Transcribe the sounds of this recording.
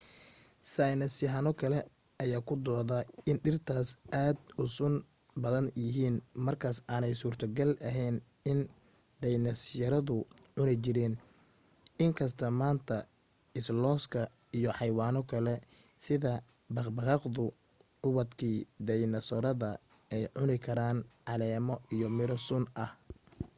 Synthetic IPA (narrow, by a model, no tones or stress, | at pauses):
sajnɐsɪɦɐnɔkʰɐlɛ | ɐjaːkʰʊd̪ɔːðɐɪnɖɪrt̪ʰaːsʔaːd̪ʊsʊn | bɐðɐnjɪɦiːnmɐrkʰaːsaːnɛjsuːrt̪ʰɐɡɐlʔɐɦɛjn | ɪn | d̪ɛjnɐsjɐɾɐðʊʕʊnɪt͡ʃɪɾɛːn | ɪŋkʰɐs̬t̪ʰɐmaːnt̪ʰɐ | ɪslɔːskʰɐ | ijɞħɑjwaːnɔkʰɐlɛ | sɪðɐ | bɑχbɑʁɑqd̪ʊ | ʊwɐd̪kʰiːd̪ɛjnɐsɔɾɐðɐ | ɛjʕʊnɪkʰɐɾaːnʕɑlɛːmɔʔijɔmɪɾɔsʊnʔɐh